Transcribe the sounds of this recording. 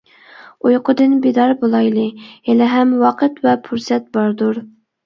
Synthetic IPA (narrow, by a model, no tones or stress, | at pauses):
ujqʰʊd̪ɨnbed̪ɑɾbolˠɑjlˠɨɛlɛɦɛmwɑqʰət̪vɛpʰuɾsɛt̪̚bɑɾd̪uɾ